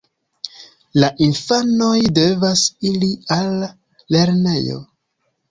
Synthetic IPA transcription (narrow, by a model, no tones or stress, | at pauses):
laʔinfano̞jde̞vasilialː | e̞ɾne̞̰jo̞̰